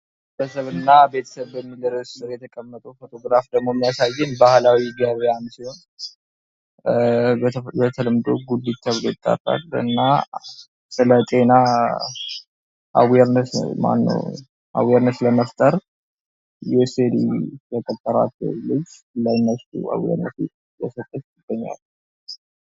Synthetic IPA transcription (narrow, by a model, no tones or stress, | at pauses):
et̪ʰəsəβɨnːabe̞t̪ʰə̥səβbəmːiləɾəsɨɾjɛt̪ʰəkʼəmːət̪ʼufo̞t̪ʰo̞ɡɾafd̪əɡmo̞mːijasajːɨnbahlawiɡjaβejansiho̞n | bət̪ʰəlɨmd̪o̰ɡud̪it̪ʰːaβlet̪ʼːa̰rʼa̰lɨ̰nːa | sɨlət̪ʼe̞na | ʔa̰weɾnət̪ma̰nːə̰w | ʔa̰weɾnət̪ləməft̪ʼəɾ | jɛsed̪ḭjɛk̪ʼət̪ʼːəɾa̰tːə̰wlɨd͡ʒː | lajnːəst̪ṵa̰wjḛɾnət̪ | jɛsət̪ʼːətjɪɡ̥ːəɲːa̰l